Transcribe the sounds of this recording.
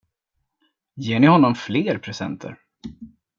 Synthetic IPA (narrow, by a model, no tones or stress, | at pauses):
jeːɳɪhɔnːɔmfleːɾpʰɾɛsɛ̰nt̪ʰə̰ɾ